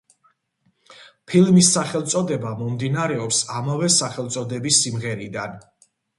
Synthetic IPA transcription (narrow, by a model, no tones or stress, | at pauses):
pʰilˠmisːaχɛlˠt̪sʼɔd̪ɛbamɔmd̪inaɾɛɔpsamavɛsaχɛlˠt̪sʼɔd̪ɛbisːimʁɛɾid̪an